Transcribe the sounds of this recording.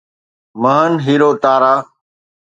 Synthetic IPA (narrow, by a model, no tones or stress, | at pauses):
məɦənɦiːɾoːt̪aːɾaː